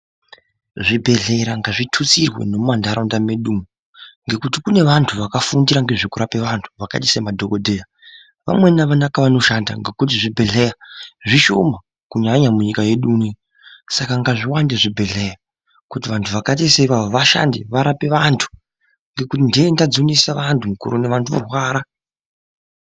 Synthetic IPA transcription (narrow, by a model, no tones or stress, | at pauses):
ʐibʱe̞ɮe̞ɾaŋɡaʐitʰut͡sirwḛno̞mmandaɾondameɗuːmo | ŋɡe̞kutikune̞ʋantʰuʋakafundiɾaŋɡe̞ʐikuɾape̞ʋantʰu̥ʋaka̰ti̥semadʱo̞ko̞dʱe̞ja | ʋa̰mwe̞naʋanakaʋano̞ʃanda̰ŋɡe̞kut̬iʐibʱe̞ɮejaʐiʃo̰ma | kuɲaɲamuɲikaje̞ɗuːni | sakaŋɡaʐiwandeʐibʱe̞ɮe̞ja | kutiʋantʰuʋakat̬iseiʋaoʋaʃa̰ndiʋaɾapeʋantʰu̥ | ŋɡe̞kutindeendad͡zunisaʋantʰumukṵɾoneʋantʰuʋ̰rwaːɾa